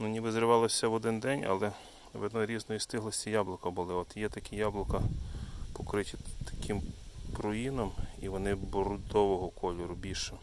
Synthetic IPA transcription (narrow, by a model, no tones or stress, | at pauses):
nunʲibɪzɾɪʋɑlˠɔsʲɐʋɔd̪ɪnd̪ɛnʲɐ̰lˠɛ | ʋɛd̪nɔɾʲiznɔjist̪ɪɦlˠɔsʲtʲijɑblˠɔkɐbʊlˠɪɔt̪jɛt̪ɐkʲijɑblˠɔkɐpɔkɾɪtʲit̪ɐ̥kʲɪmpɾɔjinɔmiʋɔnɪbɔɾɔd̪ɔʋɔɦɔkʰɔlʲɔɾʊbʲilʲʃɪ